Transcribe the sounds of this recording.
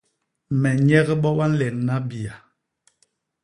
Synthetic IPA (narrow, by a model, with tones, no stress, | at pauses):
mɛ˨ɲɛ˦ɣɛ˦ɓɔ˦wa˦n̩˦lɛ˨nː˨a˦bi˨a˨